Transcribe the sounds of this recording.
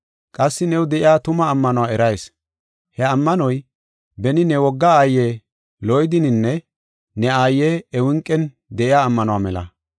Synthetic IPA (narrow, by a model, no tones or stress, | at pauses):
kʼɐsːɪnɛwd̪ɛʔɪjaːt̪ʊmɐːmːɐnʊwaɛɾɐjs | hɛɐmːɐnɔj | bɛnɪnɛwɔɡːaaːjːe | lɔjd̪ɪnɪnːɛ | nɛaːjːeːɛwɪŋkʼːɛn | d̪ɛʔɪjaːmːɐnʊwamɛlɐ̰